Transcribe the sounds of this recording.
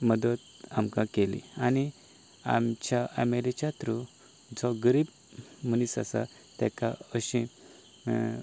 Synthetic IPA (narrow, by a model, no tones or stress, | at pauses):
məd̪ət̪̚amkãkelḭ̃ani | a̰mt͡ɕaamelit͡ɕat̪ɾu | d͡zɔɡəɾiːb̚ | mənisa̰sa̰ | t̪ɛ̰kaəɕĩ